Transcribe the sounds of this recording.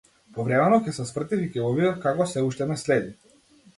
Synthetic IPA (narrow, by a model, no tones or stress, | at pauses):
pɔvɾɛmɛnɔkcʲɛsɛsvr̩t̪ificɛɡɔvid̪afkakɔsɛuʃt̪ɛnɛslɛd̪i